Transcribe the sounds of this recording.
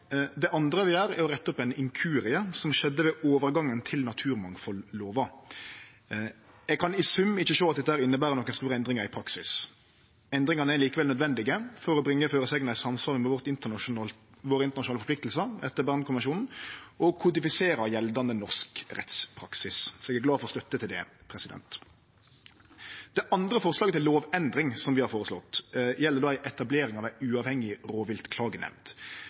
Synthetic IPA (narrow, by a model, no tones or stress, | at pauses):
d̪ɛʔɑnd̪ɾəʋɪæːɾɛɾɔʁɛt̪ːɔpɛɪnɪŋkʰʉːɾɪəsɔmʃɛd̪ːəʋɛʔoːʋəɾɡɑŋːənt̪ʰɪlnɑt̪ʰʉːɾmɑŋfɔlːoːʋɑ | ɛɡ̚kʰɑnɪsʉmːɪçːəʃoːɑt̪d̪ɛt̪ːəhæːɾɪnːəbæːɾənɔkːənst̪uːʁəɛnd̪ʁɪŋɑɾɪpʰɾɑksɪs | ɛnd̪ɾɪŋɑnəɛɾliːkəʋɛlœd̪ʋɛnd̪ɪɡəfɔɾɔbɾɪŋːəføːɾəsɛːɡnæsɑmsʋɑːɾməmuʋɔʁt̪ɪnt̪ə | ʋoːɾəɪnt̪ənɑʃʊnɑːlfɔplɪk̚t̪l̩səɛt̪ːəbæʁnkʊmʋɛnʃuːnn̩ʔɔkʰʊd̪ɪfɪseːɾɑjɛld̪ɑnənɔʂkʁɛ̰t̪spʰɾɑ̰ksɪssɔɛɡæɾɡlɑːfɔʁɔst̪œt̪ːət̪ʰɪld̪ɛ̰pʰɾɛsɪd̪ɛ̰nt̪ | d̪̥ɛʔɑnd̪ɾəfɔʁslɑːɡət̪ɪllːoːʋɛnd̪ɾɪŋsɔmʋɪhɑɾfoːɾəslɔt̪ːjɛlːədoːæɪʔɛt̪ɑbleːɾɪŋɑːʋæɪʉːɑːʋhɛŋɪɾoːʋɪlt̪kʰlɑːɡənɛ̰ʋnd̪